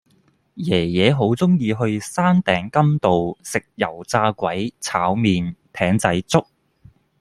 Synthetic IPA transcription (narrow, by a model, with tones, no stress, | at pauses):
jɛː˨˩jɛː˨˧ɦo˨˥wt͡sʊ˥ŋjiː˧ɦɵ˧ɥsaː˥nt̪ɛː˨˥ŋkɐ˥mt̪o˨wsɪ˨k̚jɐ˨˩wt͡saː˧kʷɐ˨˥jt͡sʰaː˨˥wmiː˨nt̪ʰɛː˨˥ŋt͡sɐ˨˥jt͡sʊ˥k̚